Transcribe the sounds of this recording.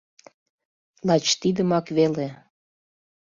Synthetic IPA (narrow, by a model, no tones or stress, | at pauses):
lɑt͡ɕt̪id̪əmɑkβele